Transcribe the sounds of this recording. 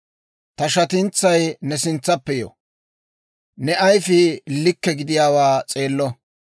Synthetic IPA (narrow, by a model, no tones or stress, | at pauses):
t̪ɐʃɐt̪ɪnt͡sːɐjnɛsɪnt͡sːɐpːɛjo̰ | nɛʔɐjfɪlɪkːɛɡɪd̪ɪjaːwaːt͡sʼe̞ːlːɔ